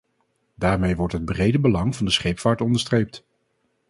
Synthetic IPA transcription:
daːɹmejʋɔɹtɦəd̚brejdəbəlɑŋvɑndəsχejpfaːɹtɔndəɹstrejp̚t

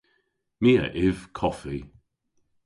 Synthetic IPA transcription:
miːə̰ʔɪv̥kʰɔfi

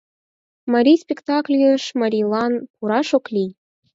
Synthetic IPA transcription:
mɑɾʲijspʲekt̪ɑklʲjøʃmɑɾʲilˠɑnpuɾɑʃoklʲij

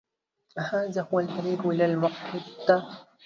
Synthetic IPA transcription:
haːðaːhʊwalħaɾiːbʔɪlaːlmʊħħɪd̪ːa

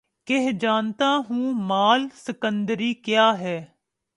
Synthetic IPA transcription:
keɦd͡ʒaːnt̪aːɦũːmaːlsəkənd̪əɾiːkjaːɦɛː

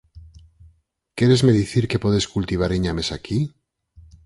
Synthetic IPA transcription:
kjeɾe̞zmeðiθiɾke̞po̞ðeskult̪iβ̞aɾeɲame̞sakʰi

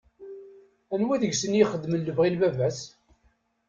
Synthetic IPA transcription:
ænwæðəʝsənjiχəd̪ːmənːəvʁilbævæs

